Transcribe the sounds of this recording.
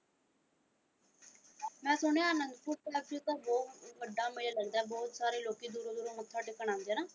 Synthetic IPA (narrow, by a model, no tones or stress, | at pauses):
mɛ̃ːsʊñeaːnənd̪pʊːɾpɛːbd͡ʒiːt̪aːbɔːʋəɖːaːmelaːləɡd̪aːɛːbɔːt̪saːɾeːloːkiːd̪uːɾõːd̪uːɾoːmət̪ʰːaːɖɪkːəɽãːnd̪ejaːnaː